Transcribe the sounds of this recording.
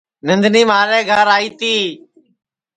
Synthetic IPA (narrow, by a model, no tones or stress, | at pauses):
nənd̪ʱniːmaːɾẽːɡʱəɾaːiːt̪iː